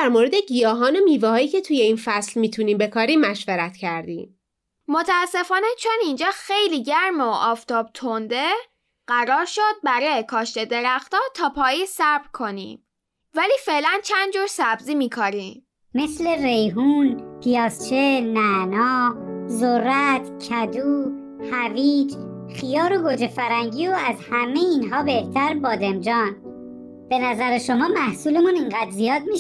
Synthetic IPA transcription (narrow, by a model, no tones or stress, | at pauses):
d̪æɾmoɾed̪eɟijɒːɦɒːno̞miːvɛhɒːjiːcʰe̞t̪ʰuːjeiːnfæslmiːt̪ʰuniːmbe̞kʰɒːɾiːmːæʃvæɾæt̪cʰæɾd̪iːm | mo̞t̪ʰæːsːe̞fɒːnet͡ʃʰonind͡ʒɒːxejliːɟæɾmoʔɒːft̪ɒːb̚t̪ʰond̪e̞ | ɢ̥æɾɒːɾʃod̪̚bæɾɛkʰɒːʃt̪e̞d̪e̞ɾæxt̪ɒːt̪ʰɒːpʰɒːjisæɾb̥ɾkʰo̞nḭːm | væliːfe̞ʔlænt͡ʃʰænd̪d͡ʒuːɾsæbziːmiːkʰoɾiːm | me̞sle̞rejɦuːnpʰijɒːst͡ʃʰenænɒːzorːæt̪ʰcʰæd̪uː | hæviːd͡ʒ | xijɒːɾoɡod͡ʒefæɾæŋɟiːoæzhæme̞jeiːnɦɒːbe̞ht̪ʰæɾbɒːd̪emd͡ʒɒːn | b̥e̞næzæɾeʃomɒːmæhsuːlemuniŋɢæd̪zijɒːd̪̚mi